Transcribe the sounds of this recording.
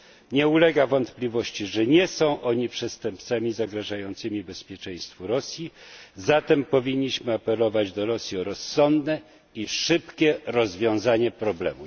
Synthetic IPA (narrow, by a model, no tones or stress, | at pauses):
ɲɛulɛɡavɔnt̪plʲivɔɕt͡ɕiʐɛɲɛsɔ̃w̃ʔɔɲipʂɛst̪ɛmpt̪samʲizaɡɾaʐajɔnt̪sɘmʲibɛspʲjɛt͡ʂɛj̃st̪fuɾɔsʲjizat̪ɛmpɔvʲiɲːiɕmɘapɛlɔvad͡ʑd̪ɔɾɔsʲjiɔɾɔsːɔnd̪nɛ | iʂɘpkʲɛɾɔzvʲjɔ̃w̃zaɲɛpɾɔblɛ̰mu